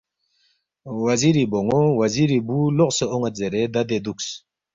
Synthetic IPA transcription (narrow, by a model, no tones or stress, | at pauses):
waziɾiboŋowaziɾibuloqsəoŋazeɾed̪ad̪ed̪uks